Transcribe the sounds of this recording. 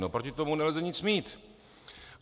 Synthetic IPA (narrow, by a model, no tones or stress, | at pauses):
nowpɾocɪt̪omunɛlzɛɲɪt͡smiːt̪